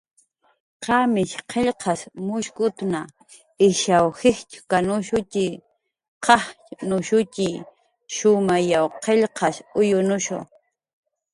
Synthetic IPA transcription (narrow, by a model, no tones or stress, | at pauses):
qɑmɪʃqʰeʎqʰɑsmʊʃkʊt̪na | ɪʃawhɪxt͡ʃʊ̥kanʊʃʊt͡ʃɪ | qɑh | nʊʃʊt͡ʃɪ | ʃʊmajawqeʎqɑʃʊjʊnʊʃʊ̰